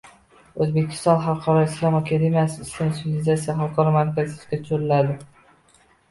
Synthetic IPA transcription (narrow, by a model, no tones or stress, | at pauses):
ɵzbe̞kʲʰɪ̥st̪ɒnχalˠqʰɒɾɒɪslˠamakʲʰad̪emʲijasɪɪst̪ensɪvilɪzat̪sijaɦalˠqʰɒɾɒmaɾkʲazɪt̪kʲat̪ʰʊɾɪlad̪ɪ